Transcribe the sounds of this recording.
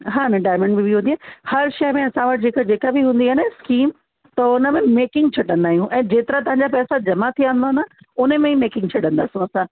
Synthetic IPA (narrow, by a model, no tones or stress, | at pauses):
ɦaːnɐɖaːjmə̃ɳɖbibiɦũnd̪iaːhɐɾʃɐɦmẽɐsãʋəɐʈd͡ʑeːkad͡ʑeːkabɪɦũːn̆d̪iaɦneskiːm | t̪ɐʊnə̆mẽmeːkɪ̃ŋɡ̚t͡ɕʰɐɖə̃nd̪aːɦijũʔɛ̃ːd͡ʑeːt̪ɪɾat̪̬ɐʋɦãɲ̆d͡ʑapɛːsad͡ʑɐmat̪ʰiãːnd̪aːɦnd̪aː | ʊnəmẽimeːkɪ̃ŋɡt͡ɕʰɐɖə̃nd̪aːsijũɐsã